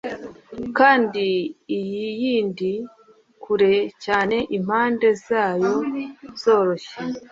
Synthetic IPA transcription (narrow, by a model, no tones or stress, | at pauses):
kaːndiːjijiːndi | kʰuɾe̞caːne̞ʔim̥haːnde̞zaːjo̞z̥o̞ːɾo̞ʃe